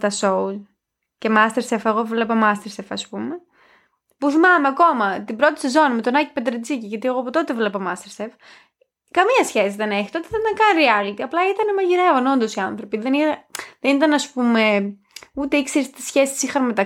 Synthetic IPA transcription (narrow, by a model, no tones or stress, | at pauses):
t̪ɐsou | cemɐst̪eɾsefeɣo̞vlepɐmɐst̪eɾsefɐspume | puθimɐmeɐko̞mɐt̪ibɾo̞t̪i̥sezo̞nimet̪onɐci̥ped̪ɾed͡ziciʝɐt̪ieɣoɐpot̪ot̪evlepɐmɐst̪eɾsef | kɐmiɐsçesiðe̞neçi̥t̪o̞t̪eθɐt̪ɐŋkɐnɾiɐlit̪iɐplɐit̪ɐnemɐʝiɾe̞vono̞nd̪o̞siɐnθɾo̞piðeniðenit̪ɐnɐspume̞ | ut̪eikseɾist̪isçesi̥sixɐnmet̪ɐ